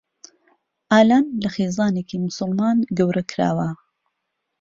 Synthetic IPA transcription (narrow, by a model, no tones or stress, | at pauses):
ʔaːlaːnlɐxeːzɑːneːkimʊsɨlmaːnɡɐwɾɐkʰɾa̰ːwɐ